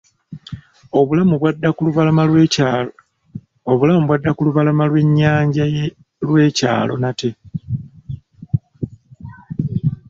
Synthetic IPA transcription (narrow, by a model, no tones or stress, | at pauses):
oβulamuβwadːakuluvalama | oβulamuβwadːakuluβalamalwe̞ɲːaːɲɟaje | lwe̞ːca̰ːlo̞̰nate̞